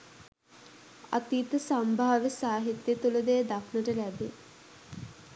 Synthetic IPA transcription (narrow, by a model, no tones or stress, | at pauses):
a̰t̪iːt̪əsambʱaːʋesaːɦit̪jət̪uləd̪eːd̪akʰnəʈəlæbe